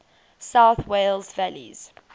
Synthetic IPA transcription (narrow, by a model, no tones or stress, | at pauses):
saʊθweɪlzvælḭz̥